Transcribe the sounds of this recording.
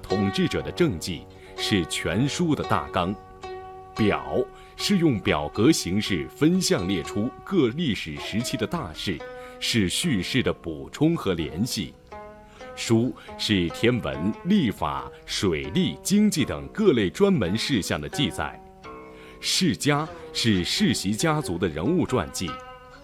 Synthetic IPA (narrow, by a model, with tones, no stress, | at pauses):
t̪ʰʊ˨˩ŋʈ͡ʂɻ̩˥˩ʈ͡ʂɤ˨˩d̪ə˦ʈ͡ʂɤ˥˧ŋt͡ɕi˥˩ | ʂɻ̩˥˩t͡ɕʰɥɛ˧˥nʂu˥d̪ə˨t̪a̰˥˩kɑ˥ŋ | pjɑ̰˨˩˦ʊ | ʂɻ̩˥˧jʊ˥˩ŋpjɑ˨˩ʊkɤ˧˥ɕi˧˥ŋʂɻ̩˥˩fə˥nɕjɑ˥˧ŋljɛ˥˩ʈ͡ʂʰu˥kɤ˥˧li˥˩ʂɻ̩˨˩ʂɻ̩˧˥t͡ɕʰi˥d̪ə˨t̪a˥˧ʂɻ̩˥˩ʂɻ̩˥˧ɕy˥˧ʂɻ̩˥˩d̪ə˩pu˨˩ʈ͡ʂʰʊ˥ŋxɤ˧˥ljɛ̰˧˥nɕi˥˩ | ʂu˥ʂɻ̩˥˩t̪ʰjɛ˥nwə̰˧˥nli˥˩fa̰˨˩˦ʂwe˨˩ɪli˥˩t͡ɕi˥ŋt͡ɕi˥˩t̪ə̰˨˩ŋkɤ˥˧le˥˩ɪʈ͡ʂwa˥nmə˧˥nʂɻ̩˥˧ɕjɑ˥˩ŋd̪ə˩t͡ɕi˥˧t͡sa̰˥˩ɪ | ʂɻ̩˥˩t͡ɕja˥ʂɻ̩˥˧ʂɻ̩˥˩ɕi˧˥t͡ɕja˥t͡su˧˥d̪ə˧ɻə̰˧˥nu˥˧ʈ͡ʂwa̰˥˧nt͡ɕḭ˥˩